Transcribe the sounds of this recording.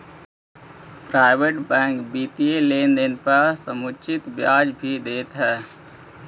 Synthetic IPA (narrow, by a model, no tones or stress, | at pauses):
pɾaːɪbeʈbɛ̃ːŋkbit̪ielend̪enpəɾsəmut͡ʃʰit̪bjad͡ʒbʱid̪eːt̪ɦɛː